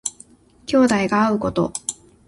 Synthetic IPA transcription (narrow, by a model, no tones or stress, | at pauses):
kʲo̞ːd̪aiɡaːɯ̟ko̞t̪o̞̰